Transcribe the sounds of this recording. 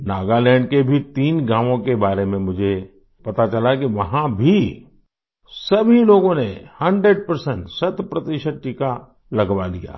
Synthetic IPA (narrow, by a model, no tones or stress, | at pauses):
naːɡalɛ̃ːɳɖkebʱit̪iːnɡãːʋõkebaːɾemẽmʊd͡ʒʱe | pɐt̪at͡ʃɐlak̬iʋɐɦãbʱi | sɐbʱiloːɡõnehɐ̃ɳɖɾeɖ̚pɐɾsɛ̃ɳʈsɐt̪pɾɐt̪iʃəd̪̚ʈika | lɐɡʋalija̰ː